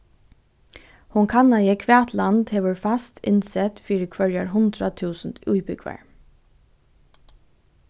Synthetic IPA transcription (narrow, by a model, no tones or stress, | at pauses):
hʊŋkʰanajɪkʰʋɛːt̪land̪heːʋəɹfast̪ɪnsɛt̪fiːɾɪkʰvœɹjaɹɦʊnd̪ɾat̪ʰuːsnt̪ujbʏɡʋa̰ɹ